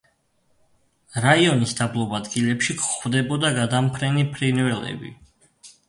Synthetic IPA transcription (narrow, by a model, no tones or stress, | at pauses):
ɾaiɔnisd̪ablˠɔbad̪ɡilɛpʃikʰχwvd̪ɛbɔd̪aɡad̪ampʰɾɛnipʰɾinvɛlɛ̰bḭ